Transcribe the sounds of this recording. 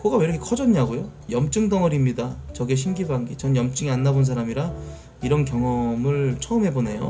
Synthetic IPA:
kɯɡaweɾʌkʰekʰʌd͡ʑʌɲaɡojo | jʌmt͡ɕ͈ɯŋdʌŋʌɾimɲidat͡ɕʌɡeɕ̬ʰimɡibaŋɡit͡ɕʌnjʌmt͡ɕ͈ɯŋianːabons̬ʰaɾamiɾa | iɾʌnk̬jʌŋʌmɯɭt͡ɕʰʌɯmɦe̞bone̞jo̰

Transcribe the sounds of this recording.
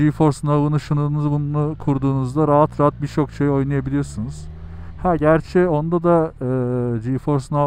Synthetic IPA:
ifo̞ɾsɯnalˠɯnɯʃɯnɯɾɯnɯzbunnukʰuɾd̪uːnuzd̪aɾaɦat̪ɾaɦat̪̚bit͡ʃʰo̞kʃejo̞jnajabilʲijo̞ɾsunuz̥ | hæɟæɾt͡ʃʰɛo̞nd̪ad̪aɯd͡ʒijfo̞ɾsna

